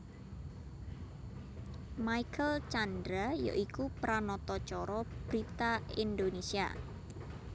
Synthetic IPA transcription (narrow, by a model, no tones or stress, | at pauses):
maikʰəlt͡ʃand̪ɾajo̰ʔikupɾanɔt̪ɔt͡ʃɔɾɔb̥ɾit̪aind̪onesia̰